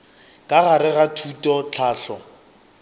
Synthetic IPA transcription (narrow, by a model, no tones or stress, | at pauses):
kʼaɣaɾɪɣatʰutʼɔt͡ɬʰaːɬɔ